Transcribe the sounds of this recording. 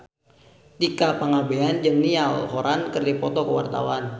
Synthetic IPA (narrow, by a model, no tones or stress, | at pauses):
t̪ikapaŋabeand͡ʒəŋnialɦoɾankərdapɔt̪ɔkəwa̰rt̪a̰wan